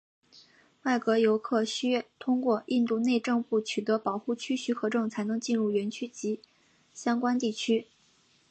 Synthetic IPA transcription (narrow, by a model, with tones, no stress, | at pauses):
wa˥˩ɪkɤ˧˥jo˧˥ʊkʰɤ˥˩ɕy˥ɥɛ˥˩t̪ʰʊ˥ŋkwɔ˥˧ʔi˥˧nt̪u˥˧ne˥˧ɪʈ͡ʂɤ˥˧ŋpu˥˩t͡ɕʰy˨˩t̪ɤ˧˥pɑ˨˩ʊxu˥˩t͡ɕʰy˥ɕy˧˥xɤ˧˥ʈ͡ʂɤ˥˩ŋt͡sʰa˧˥ɪnɤ˧˥ŋt͡ɕi˥˧nɻu˥˩ɥɛ˧˥nt͡ɕʰy˥t͡ɕi˧˥ | ɕjɑ˥ŋkwa˥nt̪i˥˩t͡ɕʰy˥